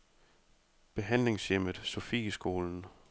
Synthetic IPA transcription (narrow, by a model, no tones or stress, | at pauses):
b̥e̝ɦæn̰le̝ŋsjem̰əð̩ˠsofḭsɡ̥o̝ːln̩